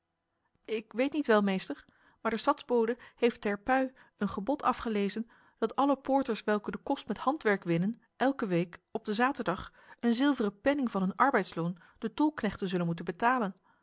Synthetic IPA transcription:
ɪkʋejtnitʋɛlˠmejstəɹ | maːɹdəstɑdzbowdəhejftɛɹpœɥ | ənχəbɔtʰɑfχəlejzən | d̥ɑtɑləpʊːɹtəɹsʋɛlˠkədəkɔstmɛthɑntʋɛɹkʋɪnən | ʔɛlˠkəʋejkɔb̚dəzaːtəɹdɑχ | ənzɪlˠvərəpɛnɪŋvɑnənɑɹbɛjtsloːn | d̥ətʊlˠknɛχtənzɵlənmut̬ənbətaːlən

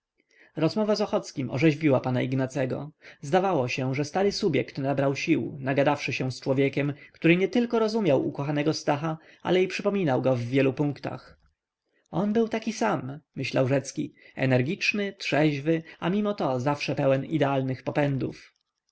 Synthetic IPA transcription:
ɾɔzmɔvazɔxɔt̪skʲimʔɔ̰ʐɛʑvʲiwapana̰iɡnat̪sɛɡɔ̰zd̪avawɔɕɛʐɛst̪aɾɘsubʲjɛkt̪nabɾawɕiwnaɡad̪afʂɘɕɛ̃st͡ʂwɔvʲjɛkʲɛmkt̪uɾɘɲɛt̪ɘlkɔɾɔzumʲjawʔṵkɔxanɛɡɔst̪axa | a̰lɛipʂɘpɔmʲinawɡɔvːʲjɛlupũŋkt̪a̰x | ɔnbɘwt̪akʲisamːɘɕlawʐɛt̪skʲiɛ̰nɛɾɡʲit͡ʂnɘtʂɛʑvɘamʲimɔt̪ɔzafʂɛpɛwɛnḭd̪ɛalnɘxpɔpɛnd̪ṵf

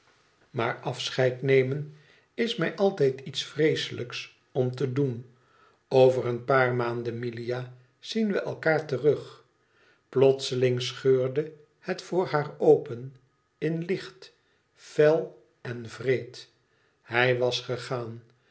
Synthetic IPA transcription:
ma̰ːɹɑfsχɛjtnejmən | ɪsmɛjʔɑlˠtɛjtitsfrejsələks | ɔmtədun | owvərənpaːɹmaːndənmilija | z̥inʋəʔɛ̰lˠkaːɹtərɵχ | plɔtsəlɪŋsχøːɹdə | hətfʊːɹɦaːɹowpən | ɪnlɪχt | fɛlˠ | ɛnvrejt | hɛjʋɑsχəχaːn

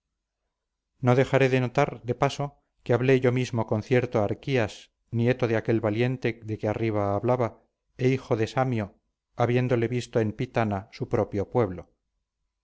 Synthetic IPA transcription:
no̞ðe̞xaɾe̞ðe̞no̞t̪aɾd̪e̞paso̞ | keaβle̞ʝo̞mizmoko̞nθje̞ɾt̪oaɾkias | nie̞t̪o̞ðeake̞lβalje̞nt̪e̞ðe̞keariβ̞aːβlaβa | eixo̞ðe̞samjo | aβje̞nd̪o̞le̞βist̪oe̞mpit̪anasupɾo̞pjo̞pwe̞βlo

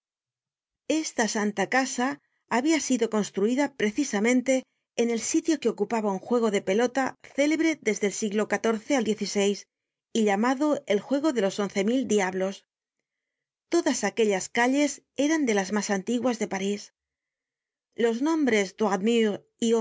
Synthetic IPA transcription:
e̞st̪asant̪akasaː | βiasiðo̞ko̞nst̪ɾuiðapɾe̞θisamẽ̞nt̪e̞ː | ne̞lsit̪jo̞ke̞o̞kupaβauŋxwe̞ɣ̞o̞ðe̞pe̞lo̞t̪aθe̞le̞β̞ɾe̞ðe̞zðe̞lsiɣlo̞kat̪o̞ɾθe̞ald̪je̞θise̞js | iʎamaðo̞elxwe̞ɣ̞o̞ðe̞lo̞so̞n̟θe̞mild̪iaβlo̞s | t̪o̞ðasakeʎaskaʎe̞se̞ɾand̪e̞lazmasant̪iɣwazðe̞paɾis | lo̞znõ̞mbɾe̞zd̪wadmi | i

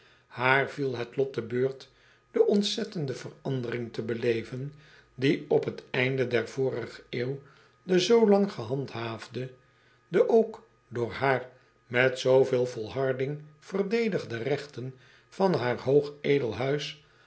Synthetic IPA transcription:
haːɹvilˠɦətlɔt̚dəbøːɹt | d̥əʔɔntsɛtəndəvərɑndərɪŋtəbəlejvən | diɔpɦətɛjndədɛɹvoːrəχəeːw | dəzowlɑŋχəɦɑntɦaːvdə | dəʔowk | dʊːɹɦaːr | mɛtsowveːlˠvɔlˠɦɑɹdɪŋv̥ərdejdəχdərɛχtən | fɑnɦaːɹɦowχeːdəlˠɦœɥs

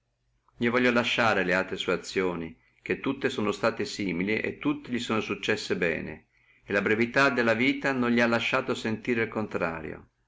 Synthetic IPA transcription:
ʎivɔʎːolaʃːaːɾelealt̪ɾesuat̪sːjoːni | k̟et̪ːut̪ːesoːnost̪aːt̪esiːmiliʔḛt̪ːut̪ːeʎisoɔːnosut͡ʃːɛsːebɛ̰ːnḛ | elabɾevit̪ad̪elːaviːt̪anõnʎialːaʃːaːt̪osent̪iːɾeilkont̪ɾa̰ːɾjo̰

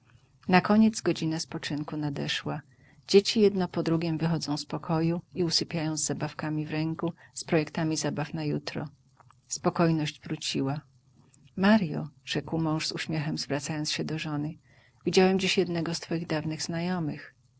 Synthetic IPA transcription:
nakɔɲɛd̪zɡɔd͡ʑinaspɔt͡ʂɘŋkunad̪ɛʂwa | d͡ʑet͡ɕijɛd̪nɔpɔd̪ɾuɡʲɛmvɘxɔd̪zɔ̃w̃spɔkʰɔjuiusɘpʲjajɔ̃w̃zːabafkamʲivɾɛŋkuspɾɔjɛkt̪amʲizabafnajut̪ɾɔ̰ | spɔkɔjnɔʑd͡ʑvɾut͡ɕiwa | maɾjɔ̰ʐ̥ɛkwmɔ̃w̃ʐzuɕmʲjɛxɛmzvɾat̪sajɔnt̪sɕɛd̪ɔʐɔnɘ | vʲid͡ʑawɛmd͡ʑiɕjɛd̪nɛɡɔst̪fɔjiɣd̪avnɘɣz̥najɔmɘx

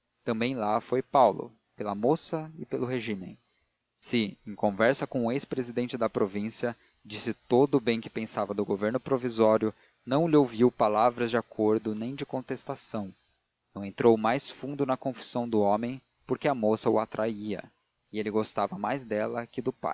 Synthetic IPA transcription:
t̪ɐ̃mbẽj̃lafojpawlʊ̰ | pelɐmosɐɪpelʊɦeʒĩmḛ̃j̃ | sɪẽj̃kõvɛɾsɐkõʊespɾezid̪ẽnt͡ʃɪd̪ɐpɾovĩsiɐ | d͡ʒisɪt̪od̪ʊbẽj̃kɪ̥pẽsavɐd̪ʊɡoveɾnʊpɾovizɔɾjʊ | nɐ̃w̃lɪowviwpalavɾɐzd͡ʒɪakʰoɾd̪ʊnẽj̃d͡ʒɪkõnt̪est̪asɐ̃w̃ | nɐ̃w̃ẽnt̪ɾowmajsfũnd̪ʊnɐkõfi̥sɐ̃w̃d̪ʊõmẽj̃ | poɾkɪɐmosɐʊ̰at̪ɾʔaiɐ̰ | ɪelɪɡost̪avɐmajzd̪ɛlɐkɪd̪ʊpa̰j

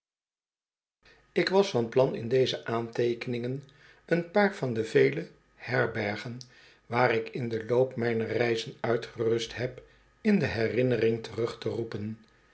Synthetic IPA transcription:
ɪkʋɑsfɑnplɑnɪ̰ndejzəʔaːntejkənɪŋən | ənpaːɹvɑndəvejlə | hɛɹbɛɹχən | ʋaːɾɪkɪndəlowpmɛjnəɹrɛjzənœɥtχərɵstɦɛp | ɪndəɦɛrɪnərɪŋtərɵχtərupən

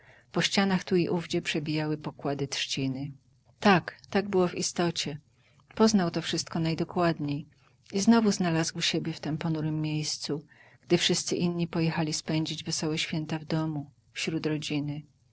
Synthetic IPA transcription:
pɔɕt͡ɕanaxt̪uiʔuvd͡ʑɛpʂɛbʲijawɘpɔkwad̪ɘt̪ʂt͡ɕinɘ | t̪akt̪aɡ̚bɘwɔvist̪ɔt͡ɕɛ | pɔznawt̪ɔfʂɘst̪kɔnajd̪ɔkwad̪ɲej | iznɔvuznalazwɕebʲjɛft̪ɛmpɔnuɾɘmːʲjejst̪suɡ̥d̪ɘfʂɘst̪sɘʔinːɲipɔjɛxalʲispɛɲd͡ʑid͡ʑvɛsɔwɛɕfʲjɛnt̪avd̪ɔmu | fɕɾud̪ɾɔd͡ʑinɘ

